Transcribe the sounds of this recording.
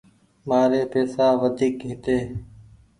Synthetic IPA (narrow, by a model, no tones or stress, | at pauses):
maːɾeːpeːsaːʋəd̪ʱiːkɦɪt̪eː